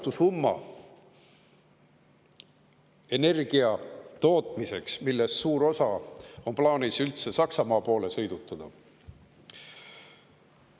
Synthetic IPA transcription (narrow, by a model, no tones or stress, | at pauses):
t̪usumːɑ̰ | e̞ne̞rɡ̥iɑt̪o̞ːt̪ˑmise̞ksmilːe̞sːuːɾo̞sɑo̞nplɑːnisylt̪se̞sɑksɑmɑːpo̞ːle̞sɤ̞jd̪̥ut̪ːˑɑd̪̥ɑ̰